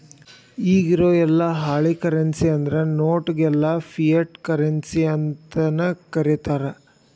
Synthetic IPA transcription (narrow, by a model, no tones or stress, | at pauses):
iːɡiɾoːɛlːɐɦaːɭikɐɾensiɐnd̪ɾenoːʈɡɛlːɐpʰijɐʈkɐɾensiɐnt̪ɐnɐkɐɾit̪aːɾe